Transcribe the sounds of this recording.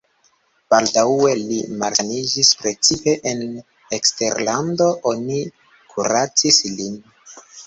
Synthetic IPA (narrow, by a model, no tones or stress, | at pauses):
b̥aldae̞limalsanid͡ʒispɾe̞t͡sipe̞ʔen | ekste̞ɾlando̞ʔo̞ni | kʰuɾat͡sislin